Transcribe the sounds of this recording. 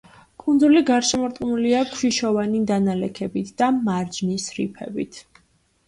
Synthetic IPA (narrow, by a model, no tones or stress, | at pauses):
kʼund̪zuliɡaɾʃɛmɔɾt̪ʼqʼnuliakʰʃiʃɔvanid̪analɛkʰɛbit̪ʰd̪̥amaɾd͡ʒnisɾḭpʰɛ̰bit̪ʰ